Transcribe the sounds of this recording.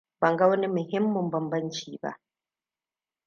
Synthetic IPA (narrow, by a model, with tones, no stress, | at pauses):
bɐ˨ŋɡa˦wɐ˦ni˦mʊ˨hɪ˦mːʊ˨mbɐ˨mbɐ˦nt͡ʃiː˨ba̰˦ʔ